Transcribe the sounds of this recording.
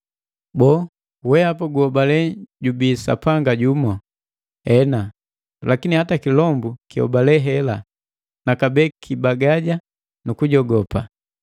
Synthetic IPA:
bɔ | wɛapaɡuhɔbalɛɟubisa̰paŋɡaɟumɔ | ɛna | lakinihatakilɔmbukihɔ̰balɛɦɛla | nakabɛkʰibaɡaɟa | nukuɟɔɡɔpa

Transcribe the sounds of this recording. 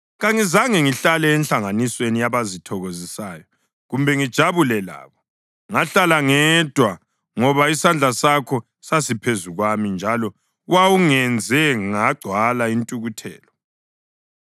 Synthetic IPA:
ɣaŋizaŋɛŋiɬalɛːnɬaŋaniswenijaβazitʰɔɣozisajɔ | ɣumbʱɛŋid̥ʒ̥ʱaβulɛla̰ːβɔ | ŋaɬalaŋɛd̥ʱwa | ŋɔβaisand͡ɮʱasakʰɔ | sasipʰezuɣwamind͡ʒʱalɔ | wawuŋɛnd͡zʱɛŋaɡ͡ǀʱwalaintʼuɣutʰɛ̰ːlɔ

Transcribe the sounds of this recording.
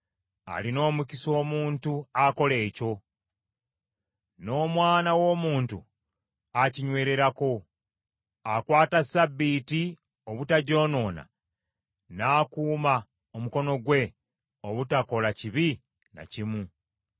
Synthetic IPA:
a̰lino̞ːmuciso̞ːmuːntuako̞le̞ːco̞ | no̞ːmwaːnawo̞ːmuːntu | aciɲwe̞ːɾe̞ɾako̞ | akwaːtasabːiːti | oβutaɟo̞ːno̞ːna̰ | naːkuːma | omuko̞no̞ɡwe̞ | o̞βutako̞laciβi | na̰cimu

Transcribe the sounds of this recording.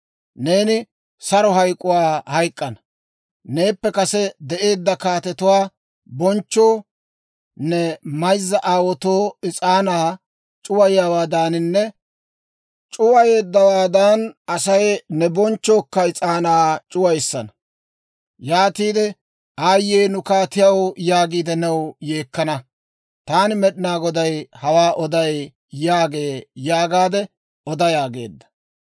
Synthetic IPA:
ne̞ːnɪ | sɐɾɔɦɐjkʼːʊwaːhɐjkʼːɐnɐ̥ | ne̞ːpːɛkɐsɛd̪ɛʔe̞ːd̪ːɐkaːt̪ɛt̪ʊwaː | bɔnt͡ʃːo̞ː | nɛmɐjzːɐʔaːwɔt̪o̞ːɪt͡sʼaːnaː | t͡ʃʼʊwɐjawaːd̪aːnɪnːɛ | t͡ʃʼʊwɐje̞ːd̪ːɐwaːd̪aːnɐsɐjnɛbɔnt͡ʃːo̞ːkːɐɪt͡sʼaːnaːt͡ʃʼʊwɐjsːɐnɐ | jaːt̪iːd̪ɛ | aːjːeːnʊkaːt̪ɪjɐwɔjaːɡiːd̪ɛnɛwjeːkːɐnɐ | t̪aːnɪmɛɗɪnaːɡɔd̪ɐjhɐwaːʔɔd̪ɐj | jːaːɡe̞ːjaːɡaːd̪ɛ | ɔd̪ɐjaːɡe̞̰ːd̪ːɐ̥

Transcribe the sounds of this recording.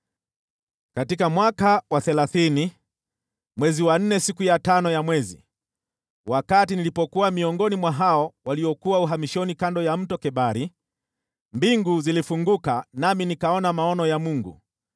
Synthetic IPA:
katikamwakawaθɛlaθini | mwɛziwan̩nɛsikujatanɔjamwɛzḭ | wakatinilipɔkuwamiɔŋɡɔnimwaɦaɔwaliɔkuwauɦamiʃɔnikandɔjam̩tɔkɛɓaɾi | mbiŋɡuzilifuŋɡukanaminikaɔnamaɔnɔjamuŋɡṵ

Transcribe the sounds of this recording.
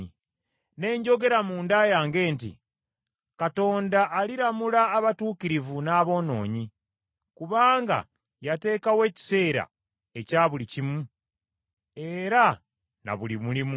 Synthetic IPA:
ne̞ːɲɟo̞ɡe̞ɾamuːndaːjaːŋɡe̞ːntḭ | kato̞ːndaʔːliɾamulaːβatuːkiɾivunaːβo̞ːno̞̰ːɲi | kuβaːŋɡa̰ | jate̞ːkawe̞ːci̥se̞ːɾa̰ | e̞caːβulicimu | e̞ɾa | na̰βulimulimu

